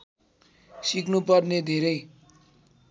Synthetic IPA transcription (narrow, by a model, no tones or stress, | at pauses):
siknupʌrned̪ʱeɾʌj